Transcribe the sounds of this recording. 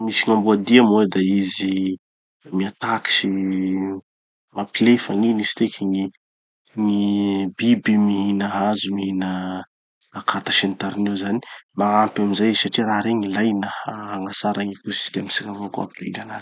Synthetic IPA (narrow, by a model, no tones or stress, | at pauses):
misiŋambuad̪iamowed̪aizi | miat̪aki̥ʃi | mapilefaŋinisi̥t̪ekʰiŋi | ŋibibimiɦinəɦazumiɦinə | akʰat̪ḁʃent̪aɾinezani̥maampamizajsaʈ͡ʂiɾaɾeŋilajnəaaŋɡasaɾaŋikusi̥d̪eamsikavokua̰pilḭɾanan̥